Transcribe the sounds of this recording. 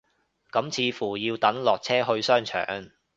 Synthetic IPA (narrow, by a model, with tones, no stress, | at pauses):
kɐ˨˥mt͡sʰiː˧fuː˨˩jiː˧wt̪ɐ˨˥nlɔː˨k̚t͡sʰɛː˥ɦɵ˧ɥsœː˥ŋt͡ʃʰœ̰ː˨˩ŋ